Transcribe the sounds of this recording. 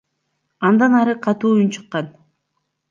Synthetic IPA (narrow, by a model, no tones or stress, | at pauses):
ɑnd̪ɑnɑɾɯqʰɑt̪uːunt͡ʃʰɯqːɑn